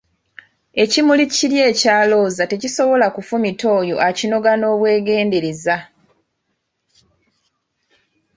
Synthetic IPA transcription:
e̞cimuliciɾje̞ːcaːlo̞ːzate̞ciso̞βo̞lakufumito̞ːjo̞̰ʔacino̞ɡano̞ːβwe̞ːɡe̞ːnde̞ɾeza

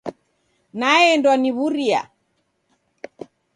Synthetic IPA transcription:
naɛndwaniβuɾia̰

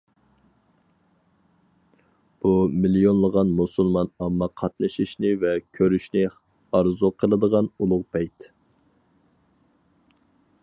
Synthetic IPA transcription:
b̥umilijonlˠəʁɑnmusulˠmɑnɑmːɑqʰɑt̪nɨʃiʃnɪvɛkʲʰøɾyʃnɪ | ɑɾzuqʰəlˠɨd̪əʁɑnulˠʊʁpʰɛjt̪

